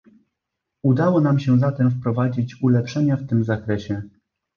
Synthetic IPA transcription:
ud̪awɔnamɕɛzat̪ɛmfpɾɔvad͡ʑit͡ɕulɛpʂɛɲaft̪ɘmzakɾɛɕɛ

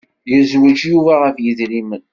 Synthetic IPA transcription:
jəzwæd͡ʒjuvæʁəfjəðɾimən

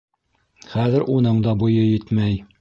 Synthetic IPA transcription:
χæðɘ̆ɾʔunɤɴd̪ɑbujɤjɘt̪mæj

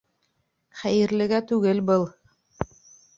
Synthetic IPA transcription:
χæjɘ̆ɾlɘ̆ɡæt̪ʉɡɘlbɤlˠ

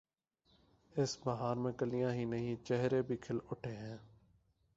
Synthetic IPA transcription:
ɪsbəɦaːɾmẽːkəlɪjãːɦiːnəɦĩːt͡ʃɛɦɾeːbʱiːkʰɪlʊʈʰeːɦɛ̃ː

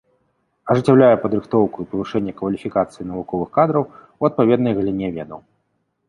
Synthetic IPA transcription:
ɐʐɨt͡sʲawlʲajɛpɐd̪ɾɨxt̪ɔwkuipɐvɨʂɛnʲːɐkvɐlʲifʲikat̪sɨjinɐvukɔvɨxkad̪ɾɐw | uɐt̪̚pavʲɛd̪̚nɐjɣɐlʲinʲɛvʲɛd̪ɐw

